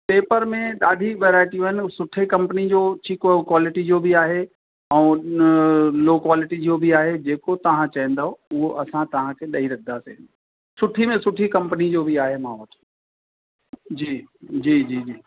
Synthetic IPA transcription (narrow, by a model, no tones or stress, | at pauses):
peːpəɾmẽɗaːɖʱiʋeːɾaːɪʈijũɦɪnɪ̆sʊʈʰekɐ̃mpənid͡ʑoːt͡ɕʰikkwaːlɪʈid͡ʑobʱiaːɦe | ɛ̃ː | loːkwaːlɪʈid͡ʑoːbʱiaːɦed͡ʑeːkot̪ɐʋ̤ãt͡ɕaɦɛ̃nd̪aːɦoʊɦoʔɐsãt̪ɐʋ̤ãkʰeɗɐiɾɐd̪ʱːasḛɦɪ̰̃n | sʊʈʰimẽsʊʈʰikɐ̃mpənid͡ʑobʱiaːɦemãːʋɐt̪ʰ | d͡ʑiːd͡ʑiːd͡ʑiːd͡ʑiː